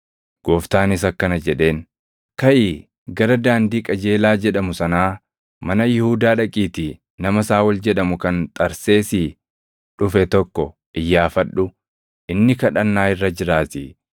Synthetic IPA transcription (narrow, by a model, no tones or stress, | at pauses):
ɡ̥oːft̪aːnɪsɐkːɐnɐd͡ʒɛᶑe̞ːn | kɐʔɪː | ɡɐɾɐd̪aːnd̪iːkʼɐd͡ʒeːlaːd͡ʒɛᶑɐmʊsɐnaː | mɐnɐjɪhuːd̪aːᶑɐkʼiːt̪i | nɐmɐsaːwɐld͡ʒɛᶑɐmʊkɐnt̪ʼɐɾse̞ːsɪ | ᶑʊfɛt̪ɔkːɔ | ʔɪjːaːfɐɗːʊ | ʔɪnːɪkɐᶑɐnːaːɪrːɐd͡ʒɪɾaːt̪ɪ